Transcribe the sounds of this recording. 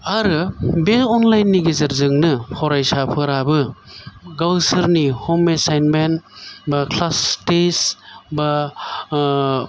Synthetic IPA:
aɾɯbelɔnlajnːiɡezɐɾzɯŋnɯhʰɔɾajsapʰɯɾabɯ | ɡawsɯɾnihomesajnmenbakʰlastesba

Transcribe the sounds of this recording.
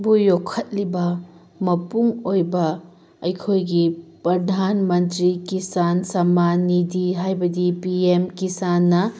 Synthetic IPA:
bujokʰːɐt̚libɐ | mɐpuŋojbɐː | jkʰojɡipɾɐdʱanmɐntɾikisansɐmanidiɦajbɐdipiemkisanːɐ

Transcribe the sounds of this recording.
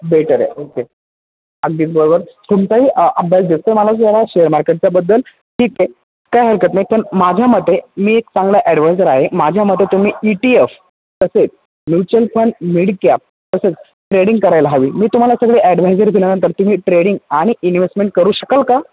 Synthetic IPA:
beʈəɾḛoke | əɡ̚d̪iːt͡sbəɾobəɾt̪umt͡saɦiːʔəbʱjasd̪est̪əməlat͡saɾaɕeəɾmaɾkeʈ̚t͡sjabəd̪ːəl | ʈʰiːke | kajɦəɾkət̪naɦipəɳmad͡ʑʱjaməd̪ʱːemiːekt͡sãŋɡljaʔɛɽʋajd͡zəɾaɦemad͡ʑʱjaməd̪ʱet̪um̤iːiʈief | t̪əset͡s | njut͡ɕəlpʰəɳɖmiɽkap̚ | t̪əset͡s | ʈɾeɽĩŋɡkəɾajlaɦaʋiːmiːt̪um̤alasəɡɭeʔæɖʋ̤ajd͡zəɾd̪ʱilanant̪əɾt̪um̤iːʈɾeɽiŋɡaɽ̃iʔinʋesʈmeɳʈ̚kəɾuːɕəkəlka

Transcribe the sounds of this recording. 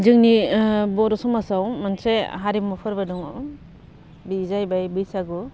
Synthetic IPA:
d͡ʒɯŋnibɔɾɔsɔmasawmansɾeɦaɾimɔpʰɯɾbadɔŋw | bizajbajbɯjsaɡu

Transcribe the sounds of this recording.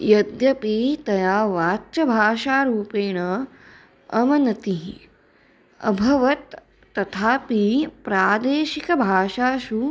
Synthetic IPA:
jɐd̪jɐpiːt̪ɐjaːʋaːt͡ʃɐbʱaːʃaːɾuːpeːɳɐ | ɐmɐnɐt̪iɦi | ɐ̰bʱɐʋɐt̪ː | ɐt̪ʰaːpipɾaːd̪eːʃikɐbʱaːʃaːʃu

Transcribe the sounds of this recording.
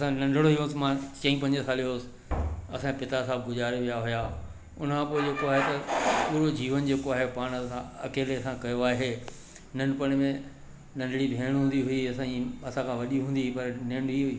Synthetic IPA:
ɐsãnɐ̃ɳɖʱɽoɦijõsɪmãt͡ɕɐ̃ĩpɐ̃ɲd͡ʑsaːlijoːsɪ̥ | ɐsãpɪt̪as̬aːb̚ɡʊd͡ʑaːɾʋijaɦʊja | ʊ̰n̤əkʰãːpoːed͡ʑeːkoaːɦet̪ɐuːɾod͡ʑiːʋənd͡ʑeːkoaːɦepaːɽ̃sãɐkeːleɐsãkɐjoaːɦeː | nɐ̃ɳɖʊpɐɽ̃mẽ | nɐ̃ɳɖʱɽibʱeːɽ̃ɦũːn̆d̪iɦʊiɐsãiɐsãkʰãʋɐɗiɦũːnd̪ipɐɾnɐ̃ɳɖiɦʊiː

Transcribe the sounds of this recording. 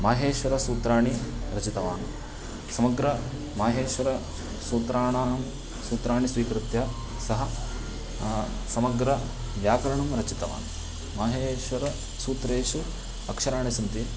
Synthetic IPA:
maːɦeːʃʋɐɾɐsuːt̪ɾaːɳiɾɐt͡ʃit̪ɐʋaːn | sɐmɐɡɾɐ | maːɦeːʃʋɐɾɐ | suːt̪ɾaːɳaːm | suːt̪ɾaːɳisʋiːkɾɪt̪jɐ | sɐɦɐ̆ | sɐmɐɡɾɐ | ʋjaːkɐɾɐɳumɾɐt͡ʃit̪ɐʋa̰ːnu | maːɦeːʃʋɐɾɐ | suːt̪ɾeːʃu | ɐkʂɐɾaːɳisɐnt̪i

